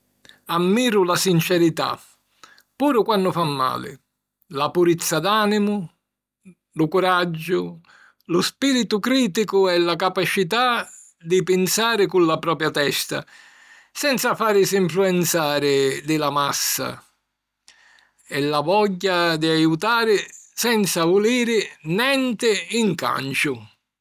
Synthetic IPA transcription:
amːiːɾʊlasint͡ʃɛɾit̪a̰ | pːuːɾʊkwanːʊfamːa̰ːlɪ̰ | lapuɾit̪sːad̪aːnimʊ | lʊkʊɾad͡ʒːʊ | lʊspiːɾit̪ʊkɾiːt̪ikʊɛlːakapat͡ʃit̪a | d̪ɪpɪnsaːɾɪkullapɾɔːpɾjat̪ɛst̪a̰ | sɛnt̪safaːɾɪsiɱfluɛnt̪saːɾɪd̪ɪlamasːa̰ | ɛlːavɔʎːad̪iajut̪aːɾɪsɛnt̪savʊliːɾɪnɛnt̪ɪiŋka̰nt͡ʃʊ

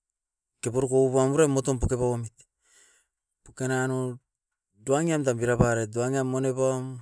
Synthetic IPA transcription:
kepoɾkouβamuɾemːotompukepawomit | pukenano | duaŋiamtambiɾapaɾet̚duaŋiamːonepam

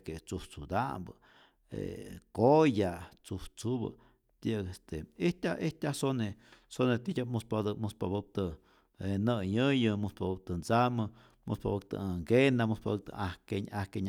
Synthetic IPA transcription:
ket͡suht͡sud̪a̰mbə | ḛkojat͡suht͡subə̰ | t̪kest̪eiht̪ʲaʔet̪ʲasonesonet̪ijʲamuspad̪muspaβɨp̚t̪ɨ | enəɲɨjɨmuspabɨp̚t̪ɨnt͡samɨ | muspa̰bɨk̚t̪ə̰ŋɡenamuspabɨk̚t̪ə̰ahkeɲahkeɲ

